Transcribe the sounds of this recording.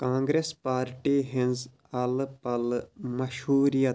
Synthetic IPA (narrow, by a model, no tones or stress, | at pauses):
kãːŋɡɾespaːɾʈiːɦɪ̃nz | ɐlpɐlmɐʃhuːɾijɐ